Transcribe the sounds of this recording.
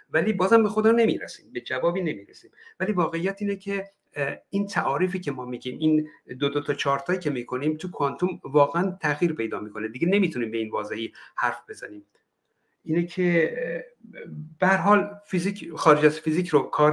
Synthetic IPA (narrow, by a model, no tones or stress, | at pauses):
væliːbɒːzhæmbexo̞d̪ɒːne̞mḭɾæsi̥ːmbe̞d͡ʒævɒːbiːne̞miːɾesiːmvæliːvɒːɣe̞ijæt̪iːnecʰe | int̪ʰæʔɒːɾiːfiːcʰe̞mɒːmiːɟiːmind̪od̪ot̪ʰɒt͡ʃʰɒːɾt̪ʰɒːjiːcʰemiːkʰo̞nimt̪ʰukʰɒnt̪ʰumvɒːɣeænt̪ʰæɣiːɾpʰe̞jd̪ɒːmiːkʰo̞ned̪iɟene̞miːt̪ʰuniːmbe̞iːnvɒːzehiːhæɾfbe̞zæniːm | ʔiːnecʰe | b̥ehæɾɦɒːlfizixɒːɾed͡ʒæzfizicʰɾokʰɒːɾ